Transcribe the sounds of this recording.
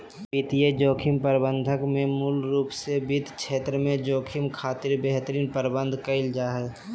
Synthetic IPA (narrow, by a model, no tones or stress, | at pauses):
pit̪ijed͡ʒoːkʰɪmpəɾbə̃nd̪ʱəkmẽmulɾuːpsebid̪ʱkʰt͡ʃʰeːt̪ɾəmẽd͡ʒoːkʰɪmkʰaːt̪ɪɾbeːɦt̪əɾiːnpəɾbə̃nd̪ʱkəɪld͡ʒaːɦɛ